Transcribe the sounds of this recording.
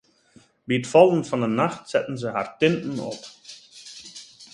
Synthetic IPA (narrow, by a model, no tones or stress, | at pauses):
biətfɔlˠənfɑnənaxtsɛ̰tn̩zəɦa̰rtɪntn̩ɔ̰p